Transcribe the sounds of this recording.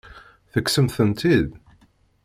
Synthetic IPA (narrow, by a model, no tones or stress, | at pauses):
θəkːsəmθənt̪ið